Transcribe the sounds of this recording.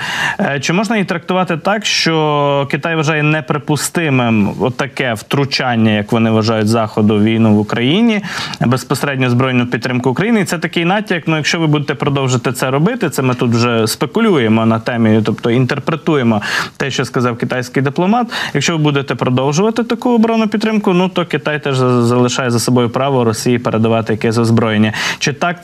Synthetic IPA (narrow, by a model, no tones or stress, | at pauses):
t͡ʃɪmɔʒnɐjit̪ɾɐk̚t̪ʊʋɑt̪ɪt̪ɑkʃt͡ʃɔkɪt̪ɑjʋɐʒɑjɛnɛpɾepʊst̪ɪmɪmɔt̪ːɐkɛwt̪ɾʊt͡ʃɑnʲːɐjɐkʋɔnɪʋɐʒɑjʊtʲzɑxɔd̪ʊʋʲijnuʋʊkɾɐjinʲibespɔseɾɛdʲnʲɔzbɾɔjnʊʊpʲid̪t̪ɾɪmkʊːkɾɐjinɪisɛt̪ɐkɪjnɑtʲːijɐknujɐkʃt͡ʃɔʋɪbud̪et̪ɛpɾɔd̪ɔwʒɪt̪ɛt̪sɛɾɔbɪt̪ɪt̪sɛmɪt̪ut̪wʒɛspekʊlʲujemɔnɐt̪ɛmʲit̪ɔpt̪ɔint̪erpɾet̪ujemɔt̪ɛʃt͡ʃɔskɐzɑwkɪt̪ɑjsʲkɪjd̪ɪplˠɔmɑt̪jɐkʃt͡ʃɔʋɪbud̪et̪ɛpɾɔd̪ɔwʒʊʋɐt̪ɪt̪ɐkuɔbɾɔnʊpʲid̪t̪ːɾɪmkʊnut̪ɔkɪt̪ɑjt̪ɛʒzɐlˠɪʃɑjɛzɐsɔbɔjʊpɾɑʋɔɾɔsʲijipeɾʔed̪ɐʋɑt̪ɪjɐkɛsʲɔzbɾɔjenʲːɐt͡ʃɪt̪ɑk̚